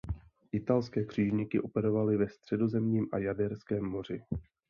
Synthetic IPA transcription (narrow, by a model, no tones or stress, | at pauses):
ʔɪt̪alskɛːkr̝̥iːʒɲɪkɪʔo̞pɛɾo̞valɪvɛst̪r̝̥ɛdo̞zɛmɲiːmʔa̰jadɛɾskɛːmːo̞r̝ɪ